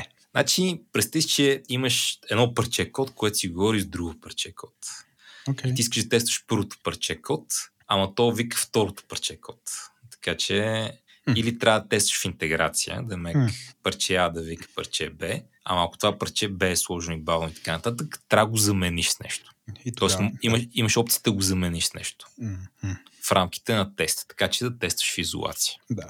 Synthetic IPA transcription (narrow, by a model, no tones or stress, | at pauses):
znat͡ʃipɾɛst̪ist͡ʃɛiməʃɛd̪nɔpɐɾt͡ʃɛkɔt̪koɛt̪o̥siɡovɔɾiʒzd̪ɾuɡpɐɾt͡ʃɛkʰɔt̪ | it̪iiskəʒd̪ɐt̪ɛst̪və̥ʃpəɾvot̪ʊ̥pɐɾt͡ʃɛkɔt̪ | ɐmɐt̪ɔvikə̥ft̪ɔɾot̪ʊ̥pɐɾt͡ʃɛkʰɔt̪ːɐ̥kat͡ʃɛ | ilit̪ɾʲʔavd̪ət̪ɛst̪və̥ʃint̪ɛɡɾa̰t̪sijə̰d̪ɐmɛkpɐɾt͡ʃɛad̪ɐvikə̥pɐ̰ɾt͡ʃɛbɛ | ɐ̰mɐɐko̥t̪ovapɐɾt͡ʃɛbɛːslˠɔʒnoibavnʊit̪ɐ̥kanɐt̪at̪əkt̪ɾʲavəɡozɐmɛniʃsnɛ̰ʃt̪o̥t̪ɔɛsmimɐʃimɐʃɔpt̪siəd̪ɐɡozɐmɛniʃsnɛ̰ʃt̪o̥ | fɾʔamk̟i̥t̪ɛnɐt̪ɛst̪t̪ːɐ̥kat͡ʃɛd̪ɐt̪ɛst̪və̥ʃfizo̰lˠa̰t̪si̥ə